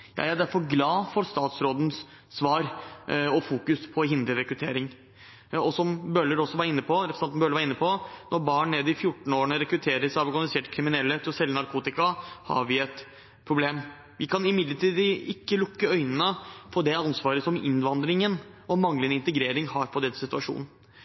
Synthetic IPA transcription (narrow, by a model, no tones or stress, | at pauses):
jɑ̰jæd̪æɾfɔɾɡlɑːfɔɾst̪ɑːt̪sɾoːd̪nsː | ʋɑːɾɔfuːkʉspʰɔɦɪnd̪əɾɛkɾʉt̪ʰeːɾɪŋ | ɔsɔmbœlːəɾɔsːɔʋɑɾɪnːəpʰɔɾɛpɾəsɑnnbœləʋɑɾɪnːəpʰɔnɔɾbɑːɳneːd̪əɪfjʊʈːɳn̩oːɳəɾɛkɾʉt̪ʰeːɾəsɔɑɾɔɾɡɑnlɪseːʈkʰɾɪmɪnɛlːət̪ʰɪɔsɛlːənɑɾkʰuːt̪ɪkɑhɑ̰ɾʋɪɛt̪ | pʰɾʊbleːm | ʋɪkʰɑnɪmɪd̪ləʈʰiːd̪ɪkːəlʊkːəœʏnənəfɔd̪ɛɑnsʋɑːɾəsɔmɪ̰nʋɑnd̪ɾɪŋənɔmɑŋlənəɪnt̪əɡɾeːɾɪŋhɑːɾfɔɖ̪ɛnːəsɪt̪ʉɑʂṵːnn̩